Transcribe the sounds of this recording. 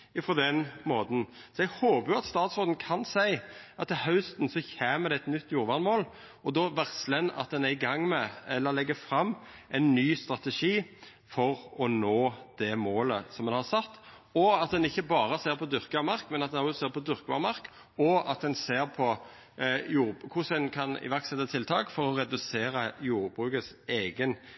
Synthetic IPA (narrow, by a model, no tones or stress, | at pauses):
fɔd̪ɛnmoːd̪n̩sɔɛɡhoːbəɑt̪st̪ɑːt̪soːd̪n̩kʰɑnsæɪʔɑt̪ːɪhɑʉst̪n̩sɔçæːməɾd̪ɛɛt̪nʏt̪ːjuːɾʋɑnmoːl | ɔd̪ɔʋæʁslənɑ̰t̪̚d̪ɛnæɪɡɑŋːmɛɛlːəɾlɛɡːəfɾɑmːɛɪnːyːst̪ʁɑt̪əʂiː | fɔʁɔnoːd̪̥ɛmoːləsɔmd̪ɛnhɑʁsɑt̪ː | ɔɑt̪̚d̪ɛnɪçːəbɑːʁəseːʁpʰɔd̪ʏʁkɑmɑʁkmɛnɑt̪̚d̪ɛnɔseːɾpʰɔd̪ʏʁkəʋɑ̰ʁmɑʁk | ɔɑt̪̚d̪ɛnseːʁpʰɔ | juːɾkʰʊsɛnkʰɑnɪ̰ʋæʁksɛt̪ːət̪ʰɪlt̪ʰɑːkfɔɾɔɾɛd̪ʉseːɾəjuːɾbʁʉːkəs | eːɡən